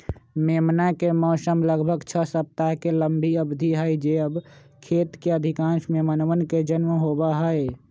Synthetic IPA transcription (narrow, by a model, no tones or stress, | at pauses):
meːmnakemɔːsəmləɡbʱəɡt͡ʃʰəsəp̚t̪aɦkeləmbʱiəbd̪ʱiɦəjd͡ʒeəb | kʰeːt̪keəd̪ʱɪkãːnʃmẽmənʋənked͡ʒənmɦoːbaɦəe